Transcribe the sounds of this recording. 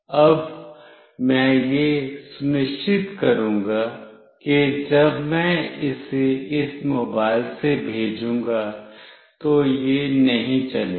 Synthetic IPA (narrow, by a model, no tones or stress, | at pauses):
ɐb | mɛ̃jesʊnɪt͡ʃʰɪt̪kɐɾũːŋɡa | ked͡ʒɐbmɛ̃ɪseɪsmoːbaːɪlsebʱeːd͡ʒũːŋɡa | t̪ojenɐɦĩt͡ʃɐleː